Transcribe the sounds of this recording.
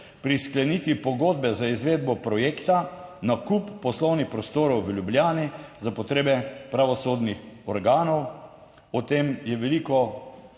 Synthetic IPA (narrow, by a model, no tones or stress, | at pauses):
pɾisklɛnit̪ʋipɔɡoːd̪̚bɛzaizʋeːd̪bɔpɾɔjeːkt̪anakupːɔslɔwnixpɾɔst̪oːɾɔwʋəljublʲjaːnizapɔt̪ɾeːbɛpɾaʋɔsoːd̪nixɔɾɡaːnɔw | ɔt̪emjɛʋɛlikɔ